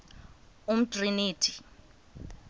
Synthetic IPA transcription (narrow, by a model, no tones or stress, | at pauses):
um̩triniːtʰi̥